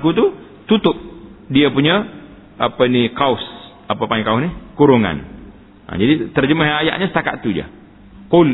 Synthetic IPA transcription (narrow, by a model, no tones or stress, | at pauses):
kut̪u | t̪ut̪ʊp̚diapuɲa | apənikaʊs | apapaiŋkaʊsnikuɾuŋa̰n | ə̰d͡ʒadit̪ərd͡ʒəmaɦaja̰ʔɲasət̪aka̰ʔ̪t̪ːud͡ʒa̰ | qʊl